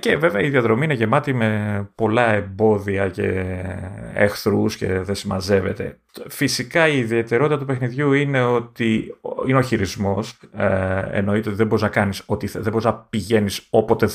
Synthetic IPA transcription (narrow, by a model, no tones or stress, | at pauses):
ceve̞veɐiðiɐðɾo̞miineʝe̞mɐt̪ime̞po̞lɐe̞mbo̞ðiɐce̞̰ | ḛxθɾusce̞̰ðesimɐze̞ve̞̰t̪e̞̰ | fisikɐiːðie̞t̪e̞ɾo̞t̪it̪ɐt̪upe̞xniðʝuine̞o̞t̪iineoçiɾizmo̞s | ḛno̞it̪e̞ot̪iðebo̞ɾiznɐkɐniso̞t̪iðebo̞ɾiznɐpiʝe̞niso̞po̞t̪e